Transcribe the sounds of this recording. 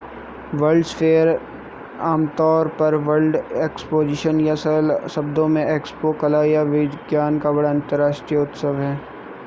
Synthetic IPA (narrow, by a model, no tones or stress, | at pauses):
ʋɐɾɖsfeːəɾ | aːmt̪ɔːɾpɐɾʋɐlɖeːkspoːd͡ʒɪʃənjasəlsɐbd̪õmẽʔeːkspokɐlaːjaʋɪd̪ɡjaːnkabɐɽaɐ̃nt̪əɾaːʃʈɾijəʊt̪səʋɦɛː